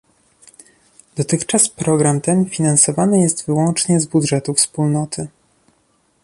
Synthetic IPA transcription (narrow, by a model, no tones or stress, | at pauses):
d̪ɔt̪ɘxt͡ʂaspɾɔɡɾamt̪ɛnfʲinansɔvanɘjɛst̪vɘwɔnt͡ʂɲɛzbud̪ʐɛt̪ufspulnɔt̪ʰɘ